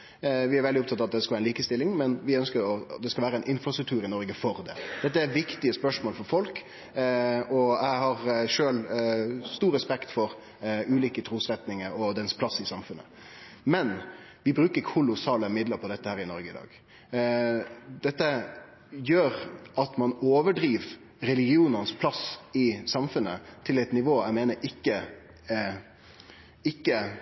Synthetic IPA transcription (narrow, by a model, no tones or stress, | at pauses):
ʋɪæɾʋɛldɪʊp̚t̪ʰɑt̪ːɑt̪d̪ɛskɑlæːɛniːkəst̪ɪlːɪŋmɛnʋɪœnskəɾɔd̪ɛskɑlʋæːɾəæɛɪnʔɪnfɾɑsɾʉk̚t̪ʰʉːɾɪnɔɾɡəfɔɾd̪ɛ̰d̪̥ɛt̪ːəæɾʋɪkt̪ɪəspœʂmoːlfɔɾfɔlk | ɔæɪhɑɾʂøːlst̪uːɾəspɛkt̪fɔɾ | ʉːliːkət̪ʰɾuːsɾɛt̪nɪŋəɾɔd̪ɛnspʰlɑsɪsɑmfʉnːə̰ | mɛnʋɪbɾʉːkəɾkkʰʊlʊsɑːləmɪd̪ləɾpʰɔd̪ɛt̪ːəhæːɾɪnɔɾɡəɪd̪ɑ̰ːɡ | d̪̥ɛt̪ːə | jøːɾʔɑt̪mɑnoːʋəɖɾiːʋ | ɾɛlɪɡɪuːnənspʰlɑsɪsɑmfʉnə̰t̪ʰɪlɛɪt̪nɪʋoːæɪmeːnəɾʔɪkːə | ɪkːə